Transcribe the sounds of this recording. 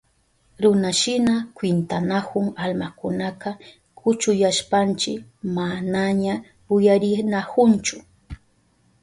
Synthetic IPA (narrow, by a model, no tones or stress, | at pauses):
ɾʊnaʃɪnakwɪnt̪anakʊŋalmakʊnaqɑ | kʰʊt͡ʃʊjaʃpant͡ʃɪkmanaɲa | ʊjaɾɪnahʊnt͡ʃʊ